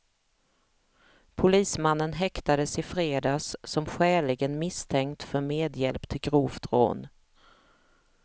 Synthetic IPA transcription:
pʰʊliːsmanːənɦɛkt̪ad̪əsɪfɾeːd̪ɑːssɔmɧæːɭɪɡənmɪst̪ʰɛŋkt̪fœɾmeːd̪jɛlpt̪ʰɪlɡɾuːfd̪ɾo̰ːn

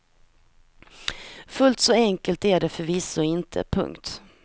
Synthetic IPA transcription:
fɵlt̪sɔɛŋkəlt̪æɖɛfœɾvɪsɔɪnt̪ʰə̰pʰɵ̰ŋkt̪

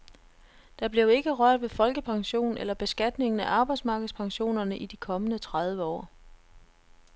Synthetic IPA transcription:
d̥ɑ̈b̥le̝ʊe̝ɡ̥əʁɶɐ̰d̥ʋe̝fɒ̽lɡ̥əpʰɑ̈ŋɕo̝̰ːnelɐb̥e̝sɡ̥æd̥ne̝ŋn̩æʔɑ̈ːb̥ɑ̈ɪd̥smɑ̈ːɡ̥ð̩ˠspʰɑ̈ŋɕo̝̰ːnɐnəʔid̥ikʰɒ̽mənət͡sʰʁað̞ˠʋəɒ̰ː

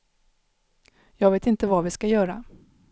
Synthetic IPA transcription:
jɑːɡveːt̪ɪnt̪əvavɪskajœːɾa

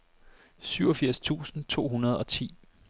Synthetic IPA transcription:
syʊɒ̽fiɐ̰st͡sʰṵːsn̩t͡sʰo̝̰ːɦunɐðˠɒ̽t͡sʰḭː

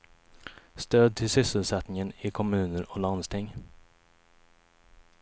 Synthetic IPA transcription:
st̪øːd̪̚t̪ʰɪlsʏsəlsɛt̪nɪŋənɪkʰɔmʉ̟ːnəɾɔland̪st̪ʰɪŋː

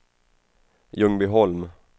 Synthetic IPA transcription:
jɵŋbɪɦɔlm

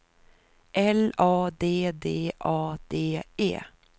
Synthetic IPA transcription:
ʔɛlɑːd̪eːd̪eːʔɑːd̪̥eːḛː

